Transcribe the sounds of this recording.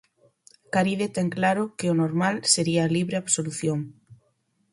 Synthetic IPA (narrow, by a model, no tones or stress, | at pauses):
kaɾiðet̪ɛŋklaɾʊkeonoɾmalseɾiaːliβɾeaβsoluθjoŋ